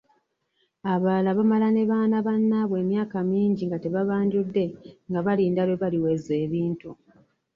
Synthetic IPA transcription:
aβaːlaβamalane̞βaːnaβanːaβwe̞ːmjaːkamiːɲɟiŋɡate̞βaβaːɲɟudːe̞ŋɡaβaliːndaβeβaliwe̞ze̞ːβiːntu

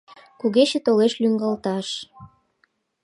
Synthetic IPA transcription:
kuɣet͡ɕĕt̪oleʃlyŋɡɑlt̪ɑʃ

